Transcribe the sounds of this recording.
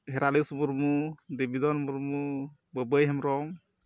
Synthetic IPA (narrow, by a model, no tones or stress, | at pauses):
ɦeɾalisbuɾmudebidɔnmuɾmu | bəbəjɦamɾɔŋ